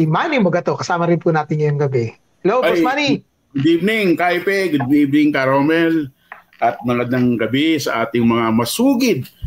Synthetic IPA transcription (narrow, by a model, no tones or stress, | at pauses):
imaːnibɐɡɐt̪o̞kɐsaːmɐɾɪnpunaːt̪ɪɲjʊŋɡɐbɛ | hɛlowɔsmaːni | ɡʊd̪ibnɪŋkajpɛɡʊd̪̚biʔb̚nɪŋkɐɾoːmɛl | ʔɐt̪̚mɐŋɐd̪ɐŋɡɐbɪsɐʔaːt̪ɪŋmɐŋamɐsuːɡɪd̪̚